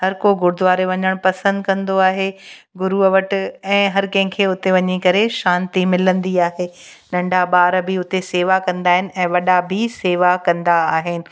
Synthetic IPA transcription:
hɐɾkoɡʊɾɪd̪ʋaːɾeʋɐɲəɽ̃pɐsə̃nd̪kɐ̃nd̪oaːɦe | ɡʊɾuɐʋɐʈɪ̆ɛ̃ːɦɐɾkɐ̃ɦɪ̃kʰeːʊt̪eʋɐɲikɐɾeʃãːnt̪imɪlə̃nd̪iaːɦeː | nɐ̃ɳɖʱaɓaːɾbɪʊt̪eseːʋakɐ̃nd̪aːɦɪnɪ̆ɛ̃ːʋɐɗabʱɪseːʋakɐ̃nd̪aːɦɪnɪ̆

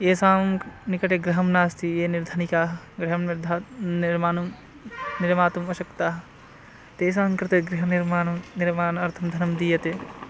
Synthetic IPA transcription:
eːsaːmnikɐʈeɡɾɐɦɐmnaːst̪ʰijeːniɾd̪ʱɐnikaːɦɐ | ɡɾiɦɐmnɾd̪ʱaniɾmaːnɐm | niɾmaːt̪umɐʃɐkt̪aːɦɐ | t̪eːs̬ãːŋkɾɪt̪ɐɡɾiɦɐniɾmaːnɐmniɾmaːnɐɾt̪ʰɐmd̪ʱɐnɐmd̪ijɐt̪e

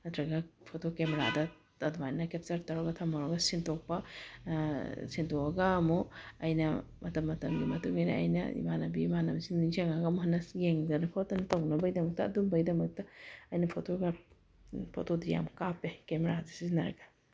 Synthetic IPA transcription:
nɐtʰɾɐɡɐpʰotokemeɾa̰dɐ | ɐdumajnɐkep̚tɐɾtɐɾɔɡɐtʰɐmɐɾɔɡɐsintɔk̚pɐ | sintɔɐɡaːmuɐjnɐmɐtɐmːɐtʰɐmɡimɐtuŋajnɐ̰ɐ̰jnɐ̰ḭmanɐbimanɐmsinisaŋaɡɐmhɐnːɐsɡeŋdɐnɐpʰɔtɐnɐtɐwnɐbɐjdɐmɐk̚tɐɐdumbɐjdɐmɐk̚tɐɐjnɐpʰotoɡa | pʰo̰todija̰mkapekemeɾazɐsinɐ̰ɾɡa

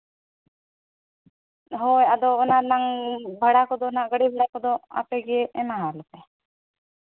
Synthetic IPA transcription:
ɦojad̪oːnanaŋbʱəɽakod̪onaɡəɽibʱəɽakod̪oa̰peɡieʔemaɦalope

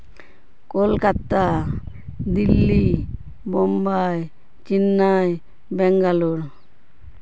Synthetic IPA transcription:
kolkat̪a | d̪ilːi | bɔmbaj | t͡ʃinːaj | bɛŋɡaluɾ

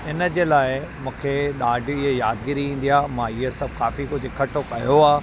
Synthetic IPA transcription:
ɪnəd͡ʑeːlaːɪmũːkʰeɗaːɖʱɪɦejaːd̪ɡiɾiĩːn̆d̪ijaːmãːɪɦesɐb̚ʱkaːfikʊd͡ʑʱʊkʰɐʈʰokɐjoaː

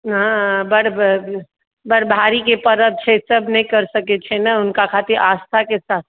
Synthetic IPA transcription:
ɦãbəɽb | bəɽbʱaɾikepəɾəd̪̚t͡ʃʰɛsəbnəɦĩkəɾsəkɛt͡ʃʰɛnaʊnkakʰat̪iɾʔaːst̪ʰakesaːt̪̚ʰ

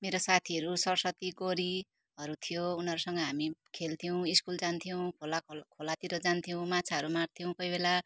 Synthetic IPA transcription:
meɾosat̪ʰiʌɾusʌrsʌt̪iɡoɾi | ɦʌɾut̪ʰijounʌɾusʌŋɡʌɦamikʰelt̪ʰijow̃iskuld͡zant̪ʰijow̃kʰolakʰolat̪iɾʌd͡zant̪ʰijow̃mat͡sʰaʌɾumart̪ʰijow̃kojbela

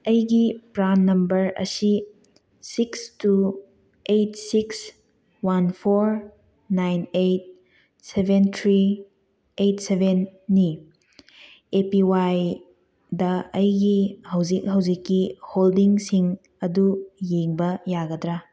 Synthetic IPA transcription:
ɐjɡipɾanːɐmbɐɾɐ̰si | sikstu | ejtsiks | wanpʰoɾ | najnejt̚ | sebʱentʰɾi | ejtsebʱenːi | epiwaj | dɐɐjɡihɐwzik̚ɦɐwzikːiholdiŋsiŋ | ɐdujeŋbɐjaɡɐdɾa

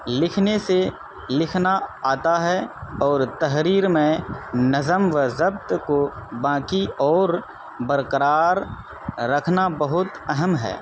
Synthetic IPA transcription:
lɪkʰnese | lɪkʰnaaːt̪aɦɛɔːɾt̪ɐɦɾiːɾmẽnɐzəmʋəzɐb̚t̪kobãːkiɔːɾ | bəɾkəɾaːɾː | ɐkʰnabɐɦʊt̪ɐɦəmɦɛ̰ː

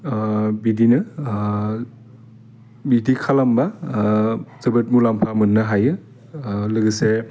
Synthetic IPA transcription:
bidinɯ | bidikʰalamba | zɯbɯt̚mulampʰamɯnːɯɦajɯ | lɯɡɯse

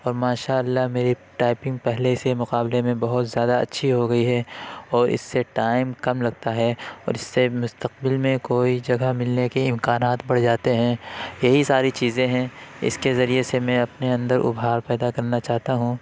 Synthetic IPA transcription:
ɔːɾmaːʃaːɐlːaɦmeːɾiʈaːɪpɪ̃ŋɡ̚pɛɦlesemʊqaːblemẽbɐɦʊt̪zjaːd̪aɐ̰tːʃʰiɦoɡɐiɦɛɔːɾɪ̰sːeʈaːɪmkɐmlɐɡ̚t̪aɦɛɔ̰ːɾɪsːemʊst̪əq̚bɪlmẽkoːid͡ʒɐɡamɪlnekeɪ̃mkaːnaːt̪bɐɽd͡ʒaːt̪eɦɛ̃jɐɦisaːɾit͡ʃiːzẽɦɛ̃ɪ̰skezɐɾiesemɛ̃ɐpneɐ̃nd̪əɾʔʊ̰bʱɦaːɾpɛːd̪akɐɾnat͡ʃaːɦt̪aɦũ

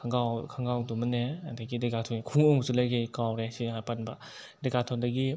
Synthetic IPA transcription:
kʰaŋɡawkʰaŋɡawdɔmɯneandaɡideɡatʰɔnkʰuŋɔŋsulajɡejkawɾesiɦajpanba | deɡatʰɔŋdaɡi

